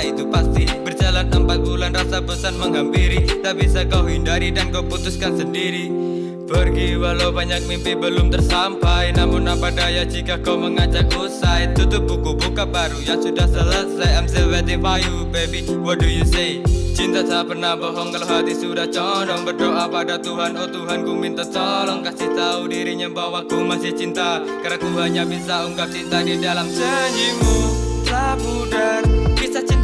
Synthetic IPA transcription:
it̪upast̪ibərd͡ʒalanəmpat̪̚bulanrasabəsanməŋɦampiɾit̪apisakauɦindaɾidankauput̪ʊskansəndiɾi | b̥ərɡiwalaubaɲak̚mimpibəlʊmt̪ərsampajnamʊnːampadajad͡ʒikakauməŋad͡ʒak̚osaɛt̪ut̪ʊt̪̚bukubukabaɾujaŋsudahsəlasajamsɛlwat̪ifajubepiwɔdujuset͡ʃint̪asapərnabɔɦɔŋkəlɔɦat̪isudaht͡ʃɔlɔŋbərdoʔapadat̪uɦanɔt̪uɦankumint̪at͡ʃɔlɔŋkasit̪audiɾiɲambawakumasɪht͡ʃint̪a | kaɾak̪uɦaɲabisauŋɡap̚t͡ʃint̪adidalamsəɲimulabudarbisat͡ʃi

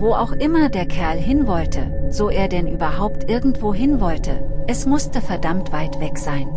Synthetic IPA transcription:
voːʔaʊxʔɪmɐdeːɐkʰɛɐlɦɪnvɔltʰə̰z̥oːʔeːɐdɛnʔyːbɐɦaʊptʔɪɐɡŋ̩tv̥oːɦɪnvɔltʰəʔɛsmʊstəfɛɐdamtv̥aɪtv̥ɛkz̥aɪn

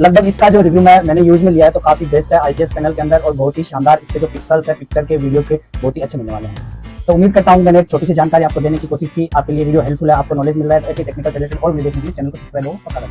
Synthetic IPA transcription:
lɐɡ̚bʱəɡɪskad͡ʒoːɾɪʋjumɛ̃mɛ̃ːnejuːzmẽlijaɦɛt̪okaːfibeːsʈɦɛaːiʈiɛspɛːnəlkeɐ̃nd̪əɾɔːɾbɐɦʊt̪ɦiʃãːnd̪aːɾɪsked͡ʒoːpɪksəlzɦɛpɪk̚t͡ʃəɾkeʋiːɖijozpebɔɦʊt̪ɦiɐtːʃʰemɪlːeʋaːleɦɛ̃t̪oːʊmːiːd̪̚kɐɾt̪aɦũkimɛːnek̚t͡ʃʰoːʈisid͡ʒaːnkaːɾiaːp̚kod̪eːnekikoːʃɪʃkiaːp̚kelieʋiːɖijoɦɛːlfʰʊlɦɛaːp̚konɔːleːd͡ʒmɪlɾaːɦɛt̪oeːkiʈeːknɪkəlʈɛːleʈə̃nɔːɾid̪eːknekeit͡ʃɛːnəlkopɪspɾaloːɡpɐkaɾɐ

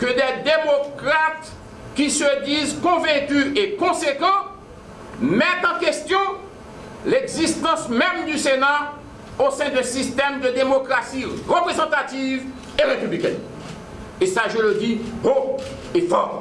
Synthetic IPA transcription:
kəd̪ɛd̪emokʁat̪ | kʲisəd̪izkɔ̃vɛ̃kyekɔ̃sekɑ̃ | mɛt̪ɑ̃kest̪jɔ̃ | leɡzist̪ɑ̃smɛmd̪ysena | osɛ̃d̪ɛ̃sist̪ɛmd̪əd̪emokʁasiʁəpʁezɑ̃t̪at̪iv | eʁepyblikɛ̰̃ | esaʒələd̪ipo | efɔ̰

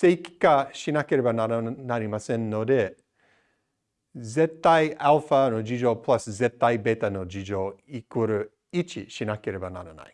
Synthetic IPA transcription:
sejki̥kaʃinakeɾebananaɾimasẽnːod̪e | zet̪ːajʔalfanod͡ʒid͡ʒopʰlaszet̪ːajbet̪anod͡ʒid͡ʒoikuɾɯ | it͡ʃiʃinakeɾebana̰nana̰j

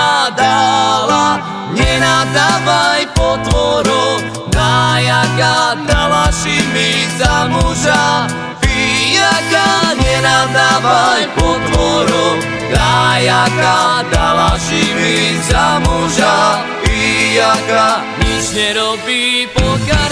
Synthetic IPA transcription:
ad̪ala | ɲɛnad̪avajjpɔt̪ʋɔɾu | d̪ajakad̪alaʃimizamuʒa | fijakaɲɛnad̪avajpɔt̪ʋɔɾu | d̪ajakad̪alaʃimizamuʒa | fijaka | mit͡ʃɲɛɾɔbipɔka

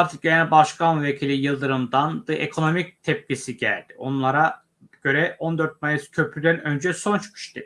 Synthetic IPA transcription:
aɾt̪ʰɯk̚ɟenælʲbaʃkʰanuve̞cʰilʲijɯlˠd̪ɯɾɯmd̪and̪ɯʔḛkʰo̞no̞mic̚t̪ʰɛp̚cʲisiɟæ̰lʲd̪̥io̞nlˠaɾa | ɟ̥ø̞ɾɛo̞nd̪ø̞ɾt̪̚majɯscʰø̞pʰlʲyd̪ænø̞nd͡ʒɛso̞nt͡ʃʰkʰɯ̥ʃt̪ʰi

